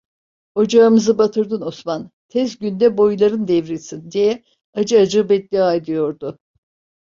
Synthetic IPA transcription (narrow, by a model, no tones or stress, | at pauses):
o̞d͡ʒaɯmɯzɯbat̪ʰɯɾd̪ɯnosman | t̪ʰɛzɟynd̪ɛbo̞jlˠaɾɯnd̪ɛvɾisind̪ijɛ | ad͡ʒɯad͡ʒɯbɛt̪̚d̪ʲiaid̪ɯjo̞ɾd̪ʊ